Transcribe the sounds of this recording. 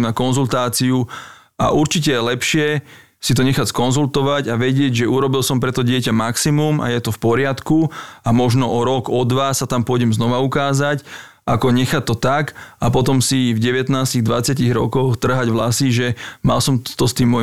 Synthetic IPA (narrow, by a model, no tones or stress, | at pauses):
mnakɔnzult̪aːt͡siu | a̰ʔuɾt͡ʃicɛlɛpʃɪɛ | sit̪ɔɲɛxacskɔnzult̪ɔʋacaʋɛɟɪɛɟʒɛuɾɔbilsɔmpɾɛt̪ɔɟɪɛcamaksimuma̰jɛt̪ɔfpɔɾɪat̪kuamɔʒnɔʔɔɾɔɡɔd̪ʋasat̪ampʊɔjɟɛmznɔʋaukaːzac | ʔakɔɲɛxat̪ːɔt̪akapɔt̪ɔmsivɟɛʋɛt̪naːsciɣd̪ʋat͡sɪaciɣɾɔ̰kɔxt̪r̩ɦaɟʋlasiʒɛma̰lsɔmt̪ɔst̪iːmːɔ